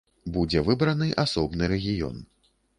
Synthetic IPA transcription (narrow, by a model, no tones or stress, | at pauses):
bud͡zʲɛvɨbɾɐnɨʔasɔbnɨɾɛɣʲijɔ̰n